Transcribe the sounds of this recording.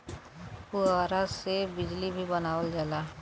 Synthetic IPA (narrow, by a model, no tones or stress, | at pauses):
puaːɾasebɪd͡ʒlibʱibənaːwəld͡ʒaːla